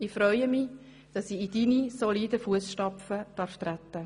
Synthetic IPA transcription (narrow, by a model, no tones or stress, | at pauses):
ɪfɾœʏəmi | d̥ɑsiid̥inisoliːdəfuəsʃtɑpfəd̥ɑːɾftɾatːə